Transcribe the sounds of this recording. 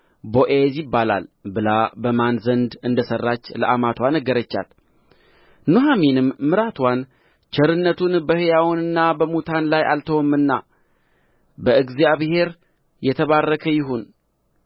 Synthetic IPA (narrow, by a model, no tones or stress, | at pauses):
boʔezɪbːala̰lbɨlabəmanzənd̪ɨnd̪əsərːat͡ʃːləʔamat̪ʰwanəɡəɾət͡ʃːa̰l | nuɦaminɨmːɨɾat̪ʰwan | t͡ʃɛɾɨnːət̪ʰunbəhɨjawnɨnːabəmut̪ʰanlajʔa̰lt̪ʰəwɔmːɨnːa̰ | bəɨɡzijaβhe̞ɾ | jɛt̪ʰəβarːəkʰəjɪɦun